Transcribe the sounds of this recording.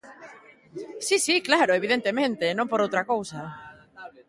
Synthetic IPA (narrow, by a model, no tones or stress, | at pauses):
sisiklaɾoeβiðent̪emẽnt̪enõmpoɾowt̪ɾakowsɐ